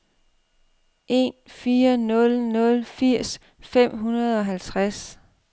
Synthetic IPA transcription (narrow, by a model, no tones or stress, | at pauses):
ʔe̝̰nfiːɐnɔ̽lnɔ̽lfiɐ̰s | fem̰ɦunɐð̞ˠɒ̽ɦælt͡sʰʁas